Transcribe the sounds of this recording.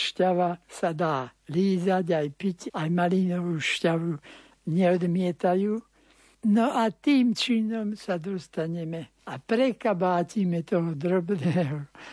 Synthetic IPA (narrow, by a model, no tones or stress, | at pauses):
ʃcaʋasad̪aːliːzaɟajpicajmalinɔʋuːʃcaʋu | ɲɛɔd̪mɪɛt̪ajuː | nɔʔat̪iːmt͡ʃinɔmsad̪ɔst̪aɲɛmɛ | apɾɛkabaːciːmɛt̪ɔɦɔd̪ɾɔbnɛːɦɔ